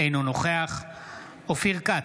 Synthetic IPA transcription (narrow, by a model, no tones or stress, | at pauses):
inunoχeaχ | ofiʁka